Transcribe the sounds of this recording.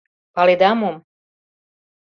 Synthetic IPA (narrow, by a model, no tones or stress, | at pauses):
palid̪amum